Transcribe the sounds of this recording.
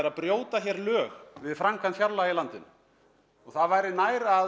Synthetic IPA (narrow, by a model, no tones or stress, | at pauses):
ɾaðpɾjoːwt̪açjɛɾlœːɣvɪðfɾaŋkʰanfjaɾlailant̪ɪn | ɔɣθaðvaːjɾɪnaːjɾa